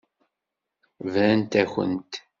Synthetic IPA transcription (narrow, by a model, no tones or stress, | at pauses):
vɾænt̪æçə̰nt̪